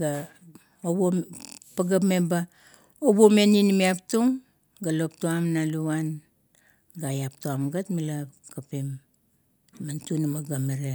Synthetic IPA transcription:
ɡa | obopaɡapmeba | obomeninimiaptuŋ | ɡalo̞p̚tuamnaluan | ɡajaptuamɡatmila | kapim | mantunamaɡameɾe

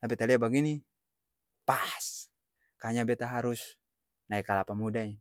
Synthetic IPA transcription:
t̪apit̪aliabaɡini | pas | kaɲabɛt̪aɦaɾus | naɛkalapamudai

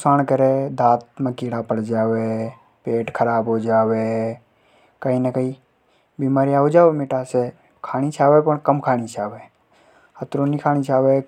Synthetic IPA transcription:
saːnkəɾed̪ʱaːt̪̚mẽkiːɽapəɽd͡ʒaːʋe | peːʈkʰəɾaːbɦoːd͡ʒaːwe | kəinəkəi | biːmaːɾijaːɦod͡ʒaːʋemeʈase | kʰaːnit͡ʃʰaːʋepəɳkəmkʰaːñit͡ʃʰaːʋeː | ət̪ɾonikʰaːñit͡ʃaːʋe

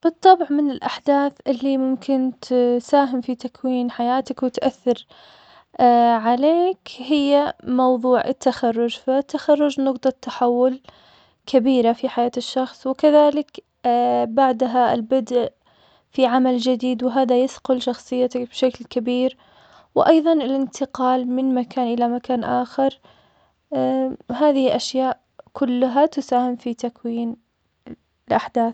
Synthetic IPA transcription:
b̥ɨt̪ˤːɑbʕmɪnɪlʔaħd̪aːθʔɪlːimʊmkʰɪnt̪saːɦɪmfit̪akwiːnħajaːt̪akwɪt̪ʔaθːɪɾ | ʕaleːkhɪjːamɑwðˤuːʕɪ̰t̪ʰːaxɑrˤːʊd͡ʒfat̪ːaxɑrˤːʊd͡ʒnʊqt̪ˤɑt̪ːaħawːʊl | kʰabiːɾafiħajaːt̪ɪʃːɑxsˤwɪkaðaːlɪk | baʕd̪ɦaɪ̰lbɪd̪ʔ | fiʕamald͡ʒɪd̪iːd̪wɪɦaːðajɪsqʊlʃɑxsˤɨjːat̪bʃaklkabiːɾ | wɪʔɑjðˤɑnɪlʔɪnt̪ʰɪqɑːlmɪnmakaːnʔɪlamakaːnʔaːxɪɾ | ɦaːðɪhɪʔaʃjaːʔ | kʰʊlːʊɦat̪ʊsaːhɪmfit̪akwiːn | ɪlʔaħd̪aːθ

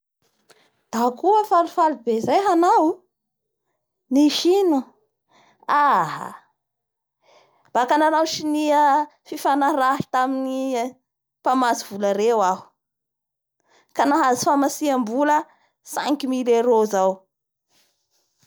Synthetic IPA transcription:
d̪̥akuəfalufalubezajɦanaw | niʃinu | aɦa̰ | b̥akanaɾawʃiniəfifanaɾaɦi̥t̪amini | pamasiv̥uləɾewaɦu̥ | kanaɦazi̥famasiambulə | saŋkimileɾozaw

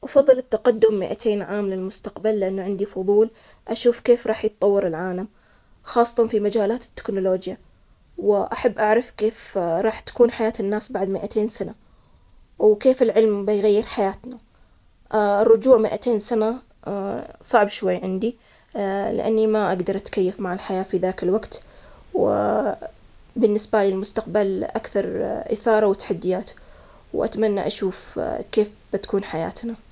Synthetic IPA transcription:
ʔɑfɑðˤːɨlɪt̪ːaqad̪ːʊmːɪʔa̰t̪ʰeːnʕaːmlɪlmʊst̪aqbalːɪʔanːaʕɪnd̪ifʊðˤuːl | ʔaʃuːfkeːfɾˤɑːħjɪt̪̚ˤːɑwːɑɾɪlʕaːlam | xɑːsˤːɑ̥t̪ɑnfimad͡ʒaːlaːt̪ɪ̥t̪ːɪ̥knʊloːd͡ʒja | wɪʔaħabːʔaʕɾɑfkeːfɾˤɑːħt̪ḁkuːnħajaːt̪ɪnːaːsbaʕd̪mɪʔat̪ʰeːnsana | wkeːfɪlʕɪlmbɪjɣajːɪɾħajaːt̪na | ɪrˤːʊd͡ʒuːʕmɪʔat̪eːnsana | sˤɑʕbʃwajːʕɪnd̪i | lɪ̰ʔa̰nːimaʔaɡd̪ɑɾˤʔat̪kajːafmaʕɪlħajaːfiðaːkɪlwaɡt̪w | bɪnːɪsbalɪlmʊst̪aqbalʔakθɑɾˤʔɪ̰θɑːɾˤɑwɪt̪ːḁħad̪ːɪjaːt̪ | wʔa̰t̪manːaʔaʃuːfkeːf | b̥ɪt̪ḁkuːnħaja̰ːt̪na

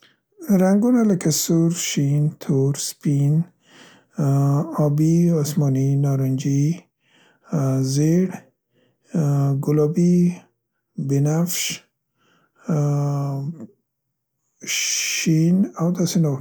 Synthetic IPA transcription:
ɾaŋɡunalakasuɾʃint̪ʰuɾspin | ɔbiɔsmɔninɔɾɔnd͡ʒi | zeɽ | ɡʊlɔbi | binafʃ | inawd̪asinɔ

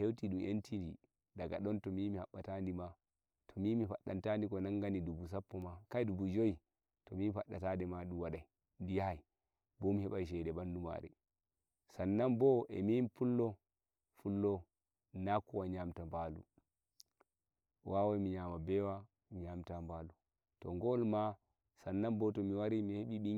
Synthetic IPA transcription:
hewtiɗumʔentindḭ | daɡa̰ɗɔntɔmimihaɓːatandima | tʰɔmimifaɗːantandikɔnaŋɡanidubus̬apːɔmakajdubud͡ʒoi | tɔmifaɗːatadɛmaɗumwaɗaj | ndijahaj | bɔmihɛɓajʃ̬ɛdɛbanduma̰ɾɛ̰ | sanːambɔʔɛ̰minpulːɔ | fulːɔ | nakːuwaɲamtambalṵ | wʔawajmiɲamabɛwa | miɲamtambalu | tɔ̰ŋɡɔlma | sanːambɔtɔmiwaɾimiheɓiɓi

